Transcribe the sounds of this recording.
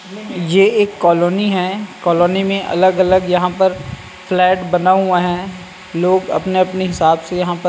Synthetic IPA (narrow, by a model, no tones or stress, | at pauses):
jeːeːkːɔːloːniɦɛkɔːloːnimẽʔɐ̰ləɡɐləɡjɐɦãpəɾ | flɛːʈbɐnaɦuaɦɛ̃ː | loːɡɐ̰pneɐpneɦɪsaːbsejɐɦãpə